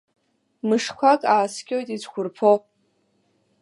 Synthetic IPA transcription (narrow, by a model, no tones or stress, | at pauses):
mɨʂkʷʰakʼaːskʲʼojtʼit͡sʰkʷʰʊrpʰo